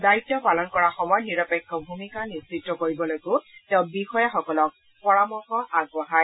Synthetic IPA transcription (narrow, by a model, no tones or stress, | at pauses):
dajitjɔpalɔnkɔɹaxɔmɔjniɹɔpekʰːɔbʱumikanisitːɔkoɹibɔlojkʊtɛʊ̃bixɔjaxɔkɔlɔk̚ | pɔɹamɔxɔʔaɡɔɦaj